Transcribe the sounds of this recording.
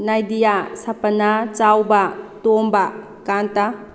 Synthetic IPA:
najdijasɐpɐnat͡ʃawbɐtombɐ | kanta

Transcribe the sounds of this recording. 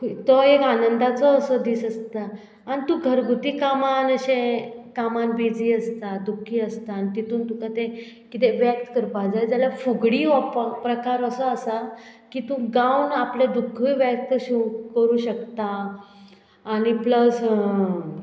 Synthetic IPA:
kt̪ɔekanənd̪at͡sɔəsəd̪iːsəst̪aː | ɽit̪ũɡʱəɾɡut̪iːkamanəɕẽkamanbʱed͡ziːəst̪ad̪ukʰːiːəst̪anit̪it̪uːnt̪ukat̪e | kit̪̬eʋjək̚t̪ə̥kəɾpad͡zajd͡ʑjalafuɡɽiːʋɔppɾəkaɾəsəəsakit̪ũɡawnapljad̪ukʰiʋjək̚t̪əɕukəɾuːɕək̚t̪a | ñipləs

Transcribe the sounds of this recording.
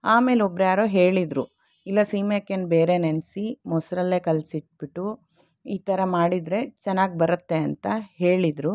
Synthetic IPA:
aːme̞ːlobɾeaːɾoɦe̞ːɭid̪ɾu | ilːɐsiːmekːenbe̞ːɾe̞nensimɔsɾɐlːe̞ːkɐlsiʈ̚biʈːu | iːt̪ɐɾɐmaːɽid̪ɾe̞t͡ʃɛnːaːɡ̚bɐɾɐt̪ːe̞ɐnt̪ɐɦeːɭid̪ɾu

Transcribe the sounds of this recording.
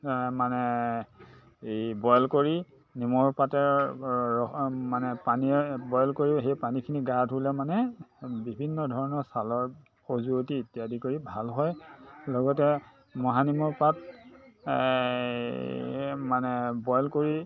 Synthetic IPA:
manɛ | bɔjlkoɹi | nimɔɹpatɛɹɔmanɛpanibɔjɔlkoɹiɦejpanikʰiniɡadʱulɛmanɛbibʱinːɔdʱɔɹɔnɔɹsalɔɹ | xozuotietiadikoɹibʱalɦɔjlɔɡɔtɛ | mɔɦanimɔɹpat̚ | manɛbɔjlkoɹi

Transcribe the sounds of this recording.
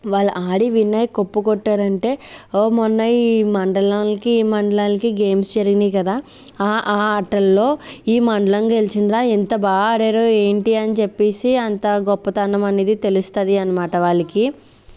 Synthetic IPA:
ʋaːɭːɐ̰ʔaːɽiʋinːɐjkopːukɔʈːaːɾɐɳʈe̞ːoːmɔnːɐjmɐɳɖɐɭaːnikiːmɐɳɖɐɭaːnikiɡe̞ːmsd͡ʒɐɾɡind̪iːkɐd̪aː | ʔaːɐʈːɐlːo̞ːiːmɐɳɖɐlɐŋkelt͡ʃind̪ɾaːint̪ɐbaːɡɐɽeːɾoːeːɳʈiɐnit͡ʃe̞pːeːsiɐnt̪aːɡɔpːɐt̪ɐnːɐmɐneːd̪it̪e̞lust̪ɐd̪iɐnɐmaːʈɐʋaːɭːɐki

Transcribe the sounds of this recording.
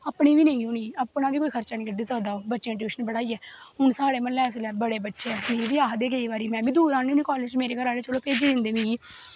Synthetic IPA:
əːpɳiːʋiːnəĩːoːniːəpnaːʋiːkoːiːkʰəɾt͡ʃaːnĩːkəɖiːzaːd̪aːoːbətːʃeːɪːʈiːʃənbəɽaːiːɛːɦʊɳsaːɽeːmənlɛːs̬lɛːbəɽeːbəʈːʃeːɛːmeːɾiːbiːaːɦd̪eːɡeiːʋaːɾiːmɛ̃ːbiːd̪uːɾãːniːniːkɔːleːd͡ʒmeːɾeːkəɾaːɽeːt͡ʃəloːpeːd͡ʒeːd̪ɪ̃nd̪eːmĩːɡiː

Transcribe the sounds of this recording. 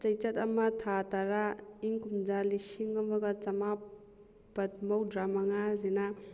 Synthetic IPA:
t͡ʃɐjt͡ʃɐtɐmɐtʰataɾaiŋkumd͡ʒalisiŋɐmɐɡɐt͡ʃɐma | bɐt̚mowdɾamaŋazina

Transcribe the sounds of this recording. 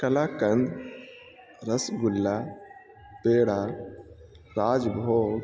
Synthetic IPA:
kɐlakənd̪ | ɾəsɡulːa | peɽa | ɾaːd͡ʒbʱoɡ

